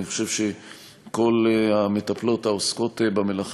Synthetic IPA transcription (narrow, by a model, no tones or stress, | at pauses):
niχo̥ʃe̞vʃe | ko̞lhamet̪aplo̞taosko̞tbamelaχ